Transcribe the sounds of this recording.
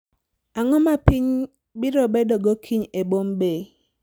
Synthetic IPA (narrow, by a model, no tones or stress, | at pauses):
aŋɔmapiɲ | bɪɾɔbedɔɡɔkʰiɲebombe